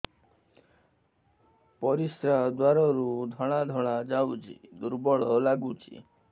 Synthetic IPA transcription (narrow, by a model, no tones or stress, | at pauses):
pɔɾisɾad̪waɾɔɾud̪ʱɔɽ̃ad̪ʱɔɭ̃ad͡ʒawt͡ʃʰḭd̪uɾbɔɭɔlaɡut͡ʃʰḭ